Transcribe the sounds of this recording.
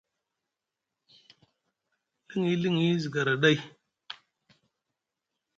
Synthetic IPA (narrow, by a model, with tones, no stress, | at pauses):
li˦ŋi˦li˦ŋi˦zi˨ɡa˨ɾa˨ɗa˦i˨